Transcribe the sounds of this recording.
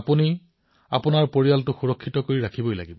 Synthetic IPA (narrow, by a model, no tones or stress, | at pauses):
puni | a̰pʊnaɹpoɹijaltʊxuɹɔkʰːitɔkoɹiɹakʰibojla̰ɡibɔ